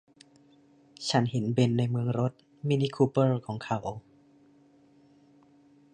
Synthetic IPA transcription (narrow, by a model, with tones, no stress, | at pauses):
t͡ɕʰa˦˥nhe˩˦nbe˧nːa˧jmɯ˧əŋɾo˦˥t̪̚ | miː˧niː˦˧˥kʰuː˧pɤː˥˩kʰɔː˩˦ŋkʰa˨˩˦w